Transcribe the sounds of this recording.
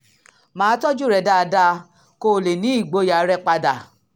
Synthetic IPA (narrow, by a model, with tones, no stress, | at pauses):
mãː˨˦tɔ˦d͡ʒu˦˨ɾɛ˧˨da˦˧da˦˧ | ko˦˨le˨nĩ˨˦i˦˨ɡ͡bo˧˦ja˨˦ɾɛ˦k͡pa˧da˨